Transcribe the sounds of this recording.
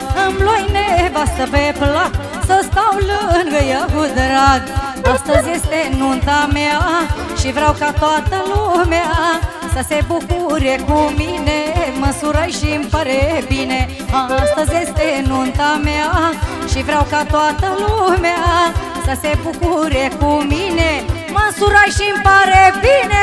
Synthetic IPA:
əmlojnebast̪əpepʰla | səst̪awlənɡəjaɡud̪əɾad̪ | ɐst̪əzest̪enunt̪ameaʃifɾawkat̪at̪əlumea | sɐsebukuɾekuminemɐsuɾajʃimpɐɾebine | ãɐst̪ɐzest̪enunt̪ameaʃifɾawkat̪oat̪əlumea | sɐsebukuɾekumine | mɐsuɾajʃimpaɾebine

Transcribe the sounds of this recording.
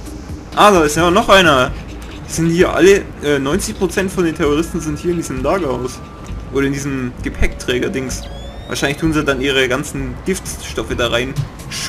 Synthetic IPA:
ʔaːlaɪsjaːɐnɔχʔaɪnɐ | z̥ɪnthiːɐʔa̰lə | ʔɛːnɔʏnt͡sɪçpʁ̥ot͡sɛntfɔndeːntʰɛʁoʁɪstn̩zɪnthiːɐɪndiːzəmlaːɡɐhaʊs | ʔoːɾɐɪndiːzəmɡ̥epʰɛktʁ̥ɛːɡɐdɪŋs | va̰ːʃaɪnlɪçtʰuːnzijaːdanʔiːʁ̞əɡant͡sn̩ɡ̥ɪftʃtɔfədaːʁaɪn | ʃ

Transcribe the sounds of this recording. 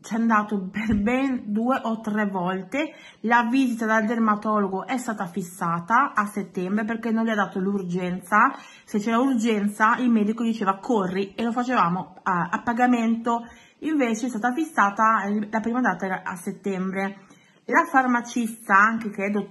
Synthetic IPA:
t͡ʃɛand̪aːt̪operbɛnd̪ueʔɔt̪ːɾɛvɔlt̪e | laviːzit̪ad̪ald̪ermat̪ɔloɡoʔɛst̪aːt̪afːisːaːt̪aːsːet̪ːɛmbɾep̬erkenːonlːiad̪ːaːt̪olurd͡ʒɛnt̪sa | set͡ʃːɛːɾaurd͡ʒɛnt̪sailmɛːd̪ikod̪it͡ʃeːvakʰorːielofat͡ʃevaːmo | apːaɡament̪o | iɱveːt͡ʃeɛst̪aːt̪afisːaːt̪alapɾiːmad̪aːt̪aɛːɾaa̰sːet̪ːɛmbɾe | lafarmat͡ʃist̪aaŋkekɛd̪o

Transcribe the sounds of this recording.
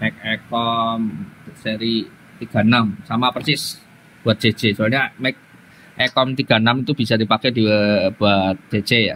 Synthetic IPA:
mɛk̚ɛkɔmsɛɾi | t̪iɡ̥a̤namsamapərt͡ʃɪs | b̥uat̪̚d͡ʒ̥ed͡ʒ̥et͡ʃualɲamɛk̚ | ʔɛkɔmt̪iɡ̥a̤namit̪ub̥isadipakɛdib̥uat̪̚d͡ʒ̥ed͡ʒea̰

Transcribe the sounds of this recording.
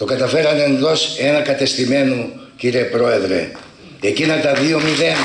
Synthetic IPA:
t̪o̞kɐt̪ɐfe̞ɾɐnenðo̞senɐkɐt̪e̞st̪ime̞nu | ciɾepɾo̞e̞ðɾe̞̰ | ecinɐt̪ɐðio̞miðen

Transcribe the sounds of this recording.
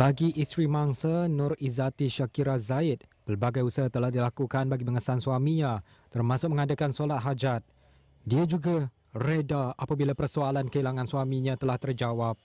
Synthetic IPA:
baɡiʔist̪ɾimaŋsanʊrizat̪iʃakiɾazaɪt̪̚pərbaɡajusaɦat̪əlahdilakukanbaɡiməŋəsansuamĩɲã | t̪ərmãsʊk̚mə̃ŋadakansolat̪̚ɦad͡ʒat̪̚ | diad͡ʒuɡa | redaapabilapərsoalankəilaŋãnswamĩɲãt̪əlaht̪ərd͡ʒawap̚

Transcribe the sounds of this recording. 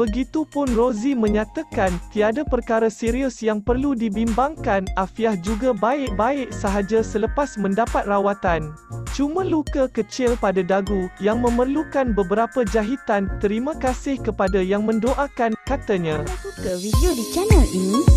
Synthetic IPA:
b̥əɡit̪upʊnrozimə̃ɲãt̪akant̪iadapərkaɾasiɾiʊsjaŋpərludibimbaŋkanʔafiahd͡ʒuɡabaɪʔ̚baɪʔ̚səɦad͡ʒasələpasmə̃ndapat̪̚rawat̪an | t͡ʃumãlukəkət͡ʃɪlpadadaɡujaŋmə̃mərlukanbəbəɾapəd͡ʒaɦit̪ant̪əɾimãkasɪhkəpadajaŋmə̃ndoʔakankat̪əɲãukəwidiodit͡ʃanəlinĩ

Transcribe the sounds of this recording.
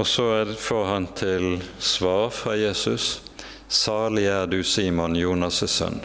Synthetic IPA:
ɔsɔæfoːʁhɑnt̪ʰɪlsʋɑːʁfʁɑjeːsʉs | sɑːʁlɪæːʁd̪ʉːsiːmʊnjuːnɑsəsœ̰n

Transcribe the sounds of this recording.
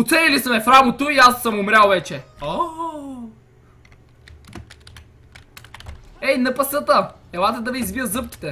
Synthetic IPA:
ʊt̪sɛnilisɐmɛfɾamot̪oiasːəmʊmɾʲalˠvɛt͡ʃɛɔ | ɛinɐpɐsət̪əɛlˠat̪əd̪ɐvɛizbiəzɤp̚kʲi̥t̪ɛ

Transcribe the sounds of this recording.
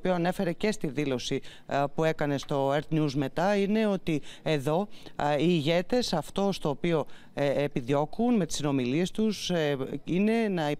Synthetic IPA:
pioɐne̞fe̞ɾe̞ce̞st̪iðilo̞si | pue̞kɐne̞st̪o̞eɾt̪njuzme̞t̪ɐine̞o̞t̪ie̞ðo̞iːʝe̞t̪e̞sɐft̪o̞st̪o̞ːpio̞ | epiðjo̞kunme̞t̪i̥sino̞milie̞st̪usine̞nɐi

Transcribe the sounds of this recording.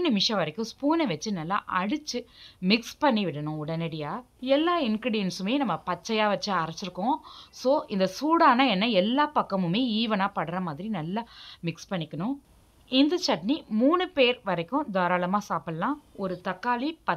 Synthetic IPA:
nɪmɪʂɐ̃ʋɐɾɐkːʊ̃spuːnɛʋɐt͡ʃːɯnɐlːa̰ːʔɐɽɯt͡ʃːɯmɪkspɐɳːiʋɪɽɐnʊ̃ʊɽɐnɛɽɪjaː | ɛlːaːɪnkɾɪɽɪjɐnsɯmeːnɐmːɐpɐt͡ʃːɐjaːʋɐt͡ʃːɯɐɾɐt͡ʃːɪɾɯkːõsoːʔɪnd̪ɐsuːɽaːnãːɛnːɐɛlːaːpɐkːɐmɯmeːiːʋɐnaːpɐɽɐɾɐmaːðɪɾinɐlːɐmɪkspɐɳːɪkːɐnʊ̃ | ɪnd̪ɐt͡ʃɐʈnimuːnɯpeːɾʋɐɾɐkːʊ̃d̪ɔːɾaːlɐmaːsaːpɯlɐlãːɔɾɯt̪ɐkːaːlipɐ

